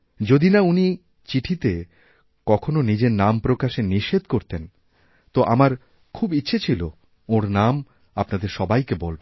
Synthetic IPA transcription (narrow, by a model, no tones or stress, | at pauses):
d͡ʑod̪inauni | t͡ɕiʈʰit̪e | kɔkʰononid͡ʑeɾnampɾokaʃeniʃed̪koɾt̪en | t̪oʔamaɾ | kʰubitːɕʰet͡ɕʰilo | oɾnam | apnad̪eɾʃɔbajkebolbo